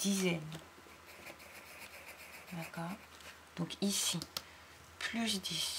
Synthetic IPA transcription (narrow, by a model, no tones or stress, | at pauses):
d̪̥izɛn | d̪akɔʁ | d̪̥ɔ̃kisi | plyʒəd̪is